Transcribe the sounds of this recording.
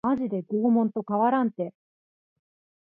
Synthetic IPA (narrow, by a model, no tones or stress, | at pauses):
aʑid̪e̞ɡo̞ːmõ̞nt̪o̞kaβaɾãnt̪e̞